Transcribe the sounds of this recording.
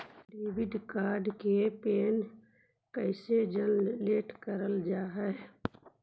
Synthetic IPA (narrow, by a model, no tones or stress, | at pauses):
ɾibɪd̪kaːɾɖkepeːn | kəɪsed͡ʒəlleːʈkəɾəld͡ʒaːɦɛ